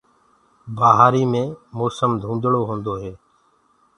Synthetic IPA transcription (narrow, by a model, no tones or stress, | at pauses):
baːɦaːɾiːmẽːmoːsəmd̪ʱũːnd̪ɽoːɦõːnd̪oːɦɛː